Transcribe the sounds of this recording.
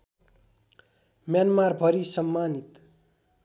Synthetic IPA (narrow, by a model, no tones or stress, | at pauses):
mjanmarbʱʌɾisʌmːanit̪